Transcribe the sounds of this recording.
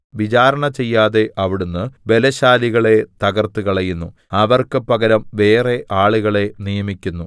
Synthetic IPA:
ʋit͡ɕaːɾɐɳɐt͡ɕe̞jːaːðe̞ʔɐʋiɽunːɨʋe̞lɐɕaːliɣɐɭe̞t̪ɐɣɐrt̪uɣɐɭɐjunːu | ɐʋɐrkɨpɐɡɐɾɐmʋe̞ːre̞ʔaːɭuɣɐɭe̞nijɐmikʲːunːu

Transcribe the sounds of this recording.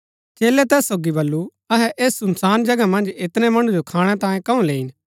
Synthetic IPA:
t͡ʃeːlɛt̪ɛːsːoːɡibɐlːu | ɐɦɛʔeːsːʊmsaːnd͡ʒɐɡamɐ̃nd͡ʒɪt̪nɛ̃mɐɽ̃ũd͡ʒokʰaːɽ̃ɛt̪ãːjẽkɐũleːin

